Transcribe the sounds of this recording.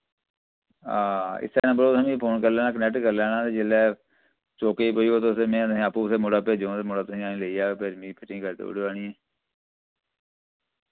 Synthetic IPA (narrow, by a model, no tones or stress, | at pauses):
a̰ːɪ̰st̪əɾːnãbəɾoːt̪ɦəmĩːpʰoːnkəɾlɛːnãːk̬ənɛʈkəɾlɛːnãːt̪eːd͡ʒɪlɛː | t͡ʃoːkeːiːpoːiːɡoːt̪oseːmẽːt̪ĩːəpuːseːmoːɖaːped͡ʒõːt̪eːmoːɖaːt̪ʊsĩːaːnĩːleiːaːpʰeɾmĩːpʰɪʈɪ̃ːkəɾt̪ḛʊ̰ɽʋaːnĩːɛː